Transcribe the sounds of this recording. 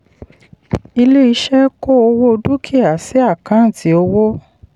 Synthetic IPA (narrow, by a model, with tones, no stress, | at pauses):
i˧le˦i˧ʃɛ˦ko˦o˧wo˦˧du˦kʰi˦˨a˨si˦a˦˨kã˨˦˨ti˨o˧wo˦